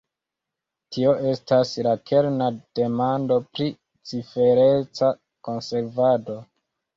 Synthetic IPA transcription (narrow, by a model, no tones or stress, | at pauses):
tio̞ʔe̞staslakʰe̞ɾnad̥e̞mando̞pɾi | t͡sife̞ɾe̞t͡sa | ko̞nse̞ɾvado̞